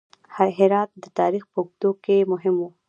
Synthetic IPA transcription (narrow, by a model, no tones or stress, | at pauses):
haɦɪɾɑt̪̚d̪ət̪ɑɾixpəuɡd̪okemʊɦɪmu